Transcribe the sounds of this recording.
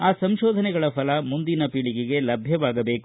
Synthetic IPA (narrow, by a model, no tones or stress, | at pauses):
aːsɐmʃɔːd̪ʱɐnɛɡɐɭɐfɐlɐmund̪inɐpiɭiɡiɡe̞lɐbʱjɐʋaːɡɐbe̞ːku